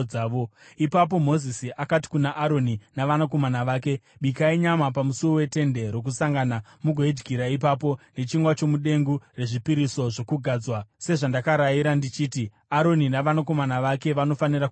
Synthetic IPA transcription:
aːʋoipap̬o̞mo̞zisiʔakat̬i̥kunaʔaɾo̞ninaʋanak̬o̞manaʋaːke̞ɓikaiɲamap̬amusuowe̞te̞nde̞ɾo̞k̬usaŋɡanamuɡʱo̞ed͡ʒɡʱiɾaipap̬o̞ne̞t͡ʃiŋɡwat͡ʃo̞muɗe̞ŋɡure̞ʐipiɾiso̞ʐo̞kuɡʱaːd͡zwase̞ʐandakaɾajiɾandit͡ʃiːti | aɾo̞ninaʋanako̞manaʋake̞ʋano̞fanirak

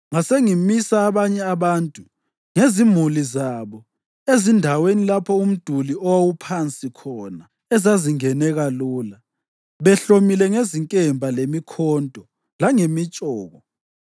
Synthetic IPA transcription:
ŋaseŋimisaːβaɲɛaβaːntʼu | ŋezim̤ulizaβɔ | ezindʱawenilapʰɔum̩d̥ʱuliɔwawupʰant͡sʼikʰɔna | ɛzaziŋɛnɛɣaluːla | βɛɬomilɛŋeziŋkʼɛmbʱalemikʰɔndʱʼɔ | laŋemit͡ʃʼɔːɣɔ

